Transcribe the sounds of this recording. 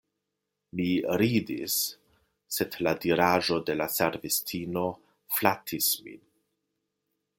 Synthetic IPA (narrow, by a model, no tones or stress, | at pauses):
miɾidḭsː | e̞dladiɾaʒo̞de̞laseɾvistʰino̞ | flatʰismḭn